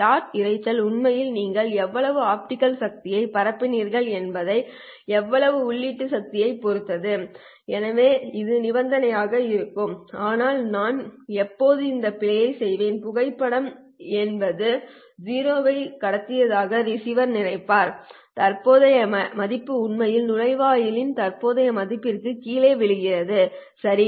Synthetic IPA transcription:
ʈaːʈɪɾɐɪt͡ʃːɐlʊɳmɐjɪlniːŋɡɐɭɛʋːɐɭɐʋɯaːp̚ʈɪkɐlsɐk̚t̪ɪjɐɪpɐɾɐpːɪniːɾɣɐɭɛnbɐðɐɪ | ɛʋːɐɭɐʋɯʊɭːiːʈːɯsɐk̚t̪ɪjɐɪpɔɾɯt̪ːɐðɯ | ɛnɐʋeːɪðɯnɪbɐnd̪ɐnɐjaːɣɐɪɾɯkːɯmaːnaːlnaːnɛpːoːðɯɪnd̪ɐpɪlɐjɐɪsɛjʋeːnpʊɣɐɪpːɐɽɐm | ɛnbɐðɯ | d͡ʒiːɾoːʋɐɪkɐɽɐt̪ːɪjɐðaːɣɐɾɪsɪʋɐɾnɪrɐɪpːaːɾ | t̪ɐɾpoːðɐjɐmɐmɐðɪpːɯʊɳmɐjɪlnʊɻɐɪʋaːjɪlɪnt̪ɐrpoːðɐjɐmɐðɪpːɪrkɯkiːleːʋɪɭɯɣɪrɐðɯsɐɾi

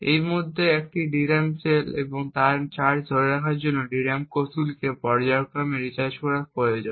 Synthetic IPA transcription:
ejmod̪ʱːeek̚ʈiɖiɾamt͡ɕeleboŋt̪aɾt͡ɕaɾd̪ʱoɾeɾakʰaɾd͡ʑonːoɖiɾamkosulkepɔɾd͡ʑaokɾameɾit͡ɕaɾd͡ʑkɔɾapojod͡ʑon

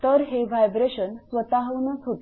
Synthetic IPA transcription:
t̪əɾɦeʋajbɾeɕənsʋət̪aɦəʋnəsɦot̪

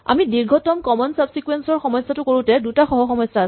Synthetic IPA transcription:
a̰midiɹɡʱɔtɔmkɔmɔnsabsikuwensɔɹxɔmɔjsːatʊkoɹũtɛdutaxɔɦɔxɔmɔjsːas

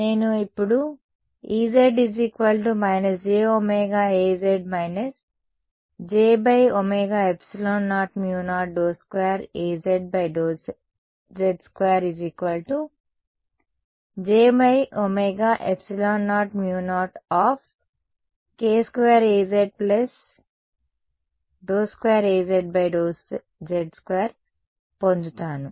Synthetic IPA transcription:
neːnuipːuɽu | iːzeɖiziːkʋɐlʈumɐjnɐsd͡ʒeːomeːɡaːeːzeɖ̚mɐjnɐs | d͡ʒeːbɐjomeːɡaːepsiloːnːaːʈmjuːnaːʈ̚ɖoːskʋeːɾeːzeɖ̚bɐjɖoː | zeɖskʋeːɐɾid͡ʒiːkʋɐlʈu | d͡ʒeːbɐjomeːɡaːʔepsiloːnːaːʈmjuːnaːʈaːf | keːskʋeːɾeːzeɖ̚plɐs | ɖoːskʋeːɾeːzeɖ̚bɐjɖoːs | d͡ʒeɖskʋeːɾ | pond͡ʒut̪aːnu

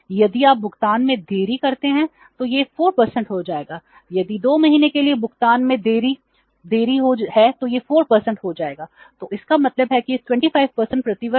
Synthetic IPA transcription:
jɐd̪iaːp̚bʊkt̪aːnmẽd̪eːɾikɐɾt̪eɦɛ̃ | t̪ojefoːɾpɐɾsə̃ɳʈɦod͡ʒaːeːɡaː | jɐd̪id̪oːmɐɦiːnekeliebʊkt̪aːnmẽd̪eːɾi | d̪eːɾiɦohɛt̪ojefoːɾpɐɾsə̃ɳʈɦod͡ʒaːeːɡaː | t̪oːɪskamɐt̪ləbɦɛkiʈwɛ̃ɳʈifaːɪʋpəɾsə̃ɳʈ̚pɾɐt̪ɪʋə

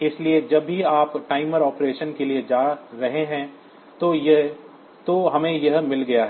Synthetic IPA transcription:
ɪslied͡ʒɐbːiaːpʈaːɪməɾɔːpɾeːʃənkelied͡ʒaːɾɐɦeɦɛ̃ | t̪oj | t̪oɦɐmẽjɐɦmɪlɡɐjaɦɛː

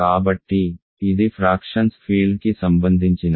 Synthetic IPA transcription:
aːbɐʈːi | id̪ifɾaːkʃənspʰiːlɖ̚kisɐ̃mbə̃nd̪ʱɪnt͡ʃɪna

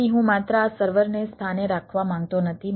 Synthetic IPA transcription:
iɦũmat̪ɾəasəɾʋəɾnest̪ʰaneɾakʰʋamãŋɡ̚t̪onət̪ʰi

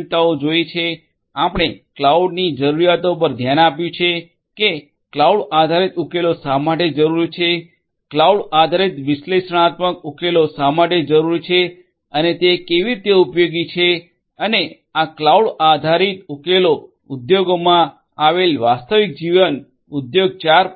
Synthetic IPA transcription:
t̪aod͡ʒoit͡ʃʰe | apɽ̃eklauɖnid͡ʒəɾuɾijat̪opəɾd̪ʱjanapjũt͡ʃʰe | ke | klauɽad̪ʱaɾit̪ukelosamaʈed͡ʒəɾuɾit͡ʃʰe | klauɽad̪ʱaɾit̪ʋɪʃleʃəɽ̃at̪məkukelosamaʈed͡ʒəɾuɾit͡ʃʰe | ənet̪ekeʋiɾit̪eupjoɡit͡ʃʰe | əne | aklauɽad̪ʱaɾit̪ukelo | ud̪joɡomã | aʋelʋast̪əʋik̚d͡ʒiʋən | ud̪joɡ̚t͡ʃaɾ

